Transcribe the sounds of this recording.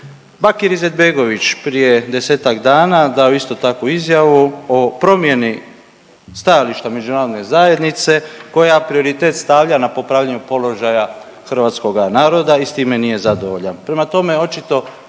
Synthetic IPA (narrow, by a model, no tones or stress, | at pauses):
bakiɾize̞d̪̚be̞ɡo̞ʋit͡ɕpɾije̞d̪e̞se̞ːt̪akd̪aːnad̪ao̞ist̪o̞t̪akoizjaʋuopɾo̞mje̞ni | st̪ajaliʃt̪ame̞d͡ʒunaːɾod̪nezaje̞d̪nit̪se̞ko̞japɾio̞ɾit̪e̞ːt̪st̪aʋʎanapo̞pɾaːʋʎaɲupo̞lo̞ʒaja | xr̩ʋaːt̪sko̞ɡanaːɾo̞d̪aist̪iːme̞nije̞zad̪o̞ʋoʎanpɾe̞mat̪o̞me̞o̞t͡ʃit̪o̞